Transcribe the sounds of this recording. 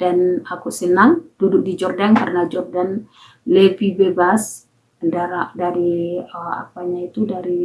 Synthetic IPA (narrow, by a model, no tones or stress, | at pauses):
d̥anakusənaŋd̥udʊk̚did͡ʒɔrdankaɾənad͡ʒɔrdan | lepibebas | əndaɾaʔdaɾiəa̰paɲait̪udaɾi